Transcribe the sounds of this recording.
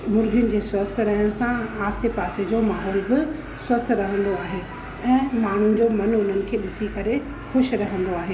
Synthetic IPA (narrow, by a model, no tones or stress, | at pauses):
mʊɾɡʱjʊnɪ̆d͡ʑeːswɐst̪ʰɾɐɦəñɪ̆sãaːst̪epaːsed͡ʑomaːɦɔːlbɪ | swɐst̪ʰɾɐɦə̃nd̪oaːɦeː | ɛ̃ːmaːɳ̤ʊnɪ̆d͡ʑomɐnʊn̤ənɪ̆kʰeːɗɪsikɐɾe | xʊʃɾɐɦə̃nd̪oaːɦeː